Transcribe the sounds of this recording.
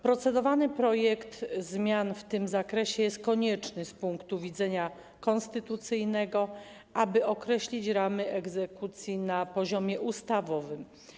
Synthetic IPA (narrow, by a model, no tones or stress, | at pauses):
pɾɔt̪sɛd̪ɔvanɘpɾɔjɛkt̪zmʲjanft̪ɘmzakɾɛɕɛjɛst̪̚kɔɲɛt͡ʂnɘspuŋkt̪uvʲid̪zɛɲa | kɔ̃nst̪ɘt̪ut̪sɘjnɛɡɔ | ʔabɘʔɔkɾɛɕlʲit͡ɕɾamɘɛɡzɛkut̪sʲjinapɔʑɔmʲjɛʔust̪avɔvɘm